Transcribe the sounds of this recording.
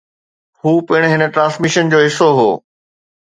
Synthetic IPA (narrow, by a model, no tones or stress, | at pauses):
huːpɪɪɽ̃ɦɪnə̆ʈɾãːnsmɪʃənd͡ʑoːɦɪsoɦo̰ː